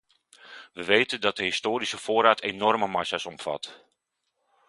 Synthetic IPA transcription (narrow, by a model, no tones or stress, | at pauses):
ʋəʋejtəndɑt̚dəɦɪstoːɾisəfʊːɾaːtʰenɔrməmasasɔmfɑ̰t